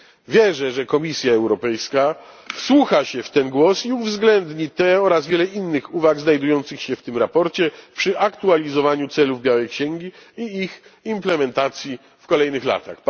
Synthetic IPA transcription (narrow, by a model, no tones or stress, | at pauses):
vʲjɛʐɛʐɛkɔmʲisʲjaɛwɾɔpɛjska | fswuxaɕɛft̪ɛnɡwɔsiuvzɡlɛnd̪ɲit̪ɛɔɾazvʲjɛlɛinːɘxuvaɡznajd̪ujɔnt̪sɘxɕɛft̪ɘmɾapɔɾt͡ɕɛpʂɘʔakt̪ualʲizɔvaɲut̪sɛluvbʲjawɛjkɕɛŋɡʲiiːximplɛmɛnt̪at̪sʲji | fkɔlɛjnɘxla̰t̪ax